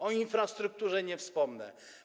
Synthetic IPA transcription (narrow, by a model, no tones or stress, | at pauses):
ɔinfɾast̪ɾuk̚t̪uʐɛɲɛfspɔmnɛ̰